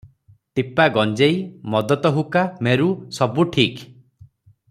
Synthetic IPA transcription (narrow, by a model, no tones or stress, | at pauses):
ʈ̪ipaɡɔnd͡ʒejmɔd̪ɔt̪ɔɦukameɾusɔbuʈʰik